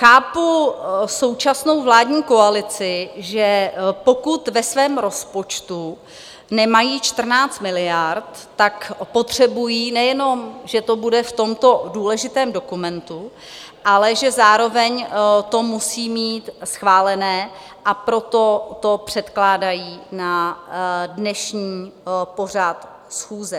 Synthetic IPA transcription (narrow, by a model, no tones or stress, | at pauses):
xaːpuso̞wt͡ʃasno̞wvlaːdɲiːko̞alɪt͡sɪʒɛpo̞kut̪vɛsvɛːmɾo̞spo̞t͡ʃt̪u | nɛmajiːt͡ʃt̪r̩naːt͡st̪mɪlɪjaɾt̪ːakpo̞t̪r̝̥ɛbujiːnɛjɛno̞mʒɛt̪obudɛft̪o̞mt̪o̞duːlɛʒɪt̪ɛːmdo̞kumɛnt̪u | ʔalɛʒɛzaːɾo̞vɛɲt̪o̞musiːmiːt̪sxvaːlɛnɛː | ʔapɾo̞t̪o̞t̪o̞pr̝̥ɛt̪klaːdajiːna | dnɛʃɲiːpo̞r̝at̪ | sxuːzɛ